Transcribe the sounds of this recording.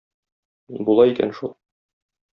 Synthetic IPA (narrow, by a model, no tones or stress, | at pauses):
bulˠɑikæ̰nʃulˠ